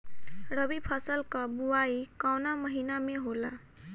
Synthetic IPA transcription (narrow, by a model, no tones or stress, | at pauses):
ɾəbipʰʌsəlkʌbuaikawnaməɦinameɦola